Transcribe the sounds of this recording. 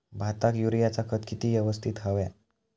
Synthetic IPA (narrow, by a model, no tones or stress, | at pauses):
bʱat̪akjuɾijat͡sakʰət̪kit̪iːʋjəʋəst̪ʰit̪ɦaʋja